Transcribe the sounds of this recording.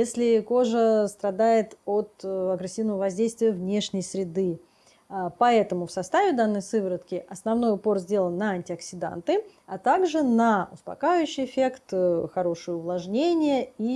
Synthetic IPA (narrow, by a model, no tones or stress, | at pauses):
jesʲlʲɪko̞ʐəst̪ɾɐd̪ajɪt̪o̞t̪ɐɡɾɪsʲːivnəvəvɐzʲdʲejst̪vʲɪjəvnʲe̞ʂnʲɪjsɾʲɪd̪ɨ | pɐɛt̪əmʊfsɐst̪avʲɪd̪anːəjsɨvəɾət̪kʲɪʔɐsnɐvno̞jʊpo̞rzʲdʲe̞lˠənːɐɐnʲtʲɪɐksʲɪd̪a̰nt̪ɨ | ɐt̪aɡʐɨnɐʊ̰spɐ̰kajʊɕːɪjɪfʲe̞kt̪xɐɾo̞ʂɨjəʊvlˠɐʐnʲenʲɪjəi